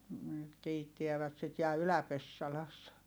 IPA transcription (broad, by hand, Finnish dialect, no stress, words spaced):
nyt kiːtːiæʋæt sit jɑ ylæpesːɑlɑsːɑ